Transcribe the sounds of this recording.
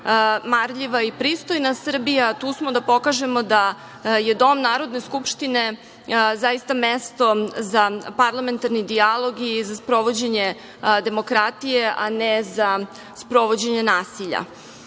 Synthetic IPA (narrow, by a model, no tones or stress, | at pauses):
maɾʎiʋaipɾiːst̪ojnasr̩bijat̪uːsmo̞d̪apo̞kaʒe̞mo̞d̪a | je̞d̪o̞mnaːɾo̞d̪ne̞skupʃt̪ine̞ | zajist̪amest̪o̞zapaɾlˠame̞nt̪aɾnid̪ialˠo̞ɡizaspɾo̞ʋo̞d͡ʑeɲe | d̪e̞mo̞kɾat̪ijeʔaneza | spɾo̞ʋod͡ʑe̞ɲe̞naːsiʎa̰